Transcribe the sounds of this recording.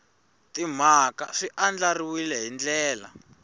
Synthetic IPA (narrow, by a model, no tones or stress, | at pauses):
tim̤aka̰ʂiʔand͡ɮariwilɛɦind͡ɮɛːla̰